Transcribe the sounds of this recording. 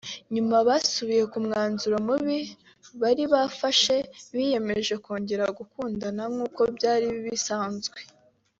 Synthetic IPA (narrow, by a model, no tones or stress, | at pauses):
ɲumaβaːsuβije̞kumŋaːnzuɾomuβi | βaɾiβafaʃe̞βije̞me̞ʒe̞ko̞ːɲɟe̞ɾaɡukuːndanamŋuːko̞bjaːɾiβisaːnzɡwe̞